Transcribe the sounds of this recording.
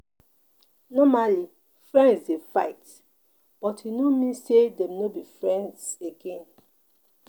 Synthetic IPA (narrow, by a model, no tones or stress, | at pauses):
nɔmali | fɹɛ̃ndsdefaɪt | b̥ɔthinomĩsedɛ̃mnobifɹɛ̃ndseɡẽn